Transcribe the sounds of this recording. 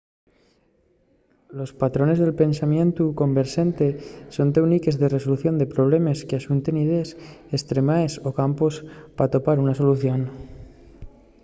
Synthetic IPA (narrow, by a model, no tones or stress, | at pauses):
lo̞spat̪ɾo̞ne̞zðe̞lpe̞nsamjẽ̞nt̪uko̞mbe̞ɾse̞nt̪e̞so̞nt̪ewnike̞zðe̞re̞so̞luθjo̞nd̪e̞pɾo̞β̞le̞meskeasunt̪e̞nið̞esest̪ɾe̞maeso̞kampospat̪o̞paɾunaso̞luθjo̞n